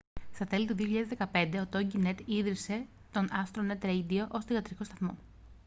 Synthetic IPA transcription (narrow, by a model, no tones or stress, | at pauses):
st̪ɐt̪e̞lit̪uðioçiʎɐðezðekɐpe̞nd̪e̞ot̪o̞ɟinet̪iðɾise̞ | t̪o̞nɐfst̪ɾonet̪ɾejd̪ioʔo̞st̪oɣɐt̪ɾiko̞st̪ɐθmo̞̰